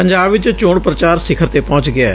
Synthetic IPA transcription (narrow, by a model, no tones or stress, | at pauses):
pə̃ɲd͡ʒaːbʋɪt͡ʃt͡ʃoːɳpɾət͡ʃaːɾsɪkʰəɾt̪eːpɔ̃ːt͡ʃɡɪa